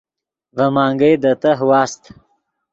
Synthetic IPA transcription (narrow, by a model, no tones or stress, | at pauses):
vəmɑːŋɡəjd̪ət̪əɦwɑːst̪